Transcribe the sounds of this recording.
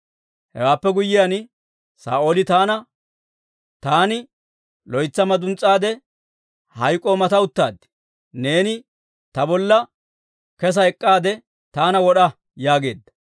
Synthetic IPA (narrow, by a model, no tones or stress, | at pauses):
hɛ̰waːpːɛɡʊjːɪjaːn | sa̰ːʔoːlɪt̪aːnɐ | t̪aːnɪ | lɔjt͡sːɐmɐd̪ʊnt͡sʼːaːd̪ɛ | hɐjkʼːo̞ːmɐt̪ɐʊt̪ːaːd̪ɪ̥ | ne̞ːnɪ | t̪ɐbɔlːɐ | kɛs̬ɐɛkʼːaːd̪ɛ | t̪aːnɐwɔɗɐ | jaːɡe̞̰ːd̪ːɐ̥